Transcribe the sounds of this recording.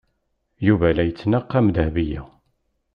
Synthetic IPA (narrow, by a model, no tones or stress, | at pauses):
juvælæjət͡sːnaqːæmd̪əhvijæ